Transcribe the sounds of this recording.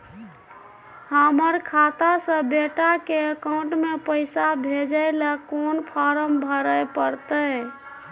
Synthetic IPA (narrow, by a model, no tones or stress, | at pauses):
həməɾkʰat̪asə̃beʈakeəkaʊ̃ɳʈmepəɪsabʱed͡ʒəɪləkonpʰaɾəmbʱəɾəjpəɾt̪ə